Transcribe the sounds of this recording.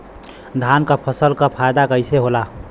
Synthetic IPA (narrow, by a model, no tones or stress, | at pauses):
d̪ʱankəpʰəsəlkəpʰajd̪akəɪseɦola